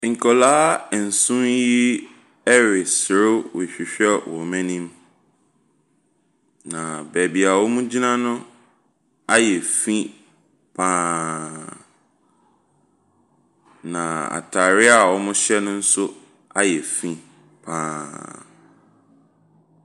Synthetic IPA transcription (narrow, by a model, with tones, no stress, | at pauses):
ŋ̩˨kʰɔ˨laː˦˨n̩˨sũ˦nji˦ | ɛ˦ɾɪ˨sɪ˨ɾʊ˦wɔ˨ɕᶣi˨ɕᶣɛ˦wʔɔ̰˨mɛ̃˦nĩ˦m | nã˨bɛː˨bi˨a˨wɔ˦mũ˦d͡ʑi˦nã˦nʊ̃˦ | a˦jɛ˨fĩ˦ | pʰãː˨˦ | nã˨a̰˨tʰa˨ɾɪ˦a˨wɔ˦mʊ̃˦ɕɛ˦nʊ̃˦n̩˦sʊ˦ | a˦jɛ˨fĩ˦ | pʰãː˨